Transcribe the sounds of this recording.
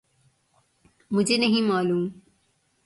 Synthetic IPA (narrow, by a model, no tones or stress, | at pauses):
mʊd͡ʑʱenɐɦĩmaːluːm